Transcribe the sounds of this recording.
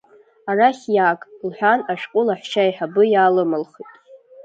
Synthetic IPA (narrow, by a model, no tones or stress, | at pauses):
araχʲjakʼlħʷᶣanaʃqʷʼʊlaħʷt͡ʃʰajħabɨjaːlɨmɨlχitʼ